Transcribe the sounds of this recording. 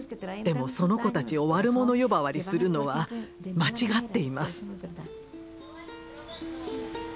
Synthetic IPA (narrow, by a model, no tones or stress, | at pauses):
d̪̥e̞mo̞so̞no̞ko̞t̪at͡ɕio̞βaɾɯ̟mo̞no̞jo̞baβaɾʲisɨɾɯ̟no̞βa | mat͡ɕiɡat̪ːe̞imasɨ̥